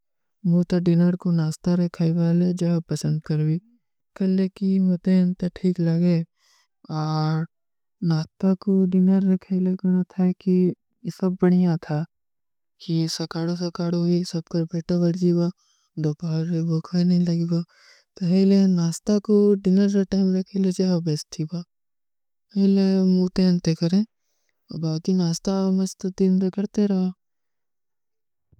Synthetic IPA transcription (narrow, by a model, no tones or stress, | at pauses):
ʋot̪ɐɖɪnəɾkonaːst̪aɾɐkʰaːiʋaːled͡ʒɐpɐsə̃nd̪kɐɾwiː | kɐlːekimɐt̪ent̪aʈʰiːklɐɡe | ɔːɾ | naːst̪akoɖɪnəɾːɐkʰaileɡnat̪ʰaki | sɐbːɐɽ̃ijat̪ʰa | kisɐkaːɽosɐkaːɽuisɐb̚kɐɾpeːʈaʋɐɾd͡ʒiɡa | d̪opaːɾeboːkʰanɐɦĩlɐɡeɡa | t̪oɦelenaːst̪akoɖɪnəɾɐʈaːɪmɾɐkʰelot͡ʃeɦabest̪ʰibaː | elemuːt̪ẽɐ̃nt̪ekɐɾẽː | ɔbaːkinaːst̪amɐt͡ʃt̪d̪ɪnt̪ekɐɾt̪eɾɐɦaː